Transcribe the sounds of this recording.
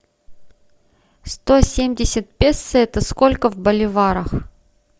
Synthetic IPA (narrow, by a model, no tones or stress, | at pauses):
st̪osʲemʲdʲɪsʲət̪̚pʲessɨɛt̪əskolʲkəvbəlʲɪvaɾəx